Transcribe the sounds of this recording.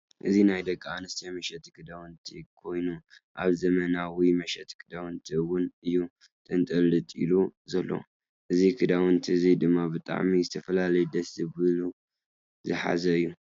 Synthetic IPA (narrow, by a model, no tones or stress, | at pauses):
ʔɨzinajd̪ɐkʼːaanɨst̪ʰijamɐʃɛt̪ikʰɨd̪awɨnt̪ʰikʰo̞jnuʔa̰βzɐmɐnawimɐʃɛt̪kʰɨd̪awɨnt̪ʰiwʊnɨjːu | t̪ʼɨnt̪ʼɐlɨt̪ʼḭluzɐlːo̰ | ʔɨzikʰɨd̪awɨnt̪ʰiɨzid̪ɨmːabɨt̪ʼa̰ʕmizɨt̪ʰɐfɐlalɐjd̪ɐsɨβɨlu | zɨħa̰zɐɨjːu